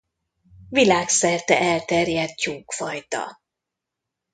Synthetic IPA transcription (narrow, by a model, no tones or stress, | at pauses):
vilaːksɛrt̪ɛʔɛlt̪ɛrjɛt̪̚t͡ʃuːkfɒjt̪ɒ̰